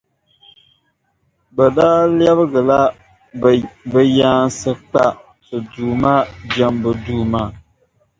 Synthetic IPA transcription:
bə˨daː˦ljɛ˦βə˦ɣɨ˨la˦ | bɨ˦jaː˦n˦sɨ˦k͡pa˦ | tɨ˨duː˨ma˦d͡ʒɛ˦mbə˨duː˦ma˦˨

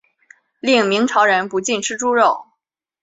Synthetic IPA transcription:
li˥˩ŋmi˧˥ŋʈ͡ʂʰɑ˧˥ʊɻə˧˥npu˧˥t͡ɕi˥˩nʈ͡ʂʰɻ̩˥ʈ͡ʂu˥ɻo˥˩ʊ

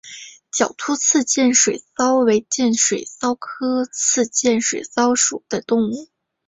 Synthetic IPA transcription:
t͡ɕjɑ˨˩ʊt̪ʰu˥t͡sʰɹ̩˥˧t͡ɕjɛ˥˩nʂwe˨˩ɪsɑ˥ʊwe˧˥ɪt͡ɕjɛ˥˩nʂwe˨˩ɪsɑ˥ʊkʰɤ˥t͡sʰɹ̩˥˧t͡ɕjɛ˥˩nʂwe˨˩ɪsɑ˥ʊʂu˨˩d̪̥ə˦t̪ʊ˥˧ŋu˥˩

